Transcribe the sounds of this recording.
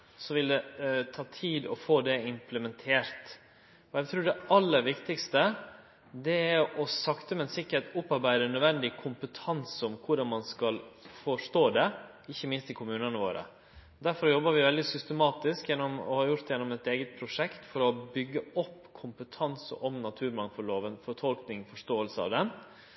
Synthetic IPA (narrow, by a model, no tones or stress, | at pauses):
sɔʋɪld̪ɛt̪ʰɑːt̪ʰiːd̪ɔfoːd̪ɛɪmpləmɛnt̪ʰeːɾt̪ | ɔæɪt̪ʰɾʉːɖɛɑlːəɾʋɪkt̪ɪkst̪ə | d̪ɛæɾɔsɑkt̪əmɛnsɪkːəɾhet̪ʊpːɑɾbæɪd̪ənœd̪ʋɛnd̪ɪkʰʊmpət̪ʰɑnsɔmkʰʊɾdɑnmɑnskɑlfɔʂʈ̪oːd̪ɛ | ɪçːəmɪnst̪ɪkʰʊmʉːnənəʋo̰ːɾə̰ | d̪æɾfɔɾjɔbːəɾʋɪʋɛld̪ɪsʏst̪əmɑːt̪ɪskjɛnːɔmɔ̰hɑɾjʊɾt̪d̪ɛjɛnːɔmɛt̪eːɡət̪̚pʰɾʊʂɛkt̪fɔɾɔbʏɡːəɔpːkʰʊmpət̪ʰɑnsə̰ʔɔmnɑt̪ʰʉːɾmɑŋfɔɭoːʋənfɔʈ̪ʰɔlknɪŋfɔʂt̪oːəlsəɑ̰ʋd̪ɛn